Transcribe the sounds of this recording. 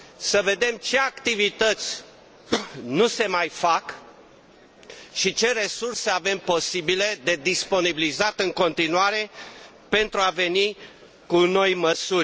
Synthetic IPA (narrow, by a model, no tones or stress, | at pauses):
səve̞d̪e̞mt͡ʃe̞akt̪ivit̪ət̪sʲ | nuse̞majfak | ʃit͡ʃe̞ɾe̞surse̞ave̞mpo̞sibile̞d̪e̞d̪ispo̞nibilizat̪ɨŋko̞nt̪inuaɾe̞ | pe̞nt̪ɾuave̞ni | kuno̞jməsurʲ